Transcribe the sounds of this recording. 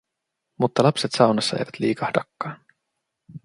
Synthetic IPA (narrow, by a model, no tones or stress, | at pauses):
mut̪ːɑlɑpset̪sɑwnɑsːɑḛjʋæt̪lḭːkɑhdɑkːɑːn